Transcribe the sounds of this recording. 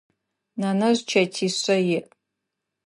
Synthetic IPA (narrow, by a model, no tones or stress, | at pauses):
nanaʒʷt͡ʃʰatʰiɕʷajɪʔ